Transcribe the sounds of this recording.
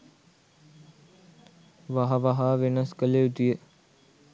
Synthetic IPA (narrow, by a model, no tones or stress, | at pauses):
ʋaɦɐʋaɦaːʋenəskəleut̪ijə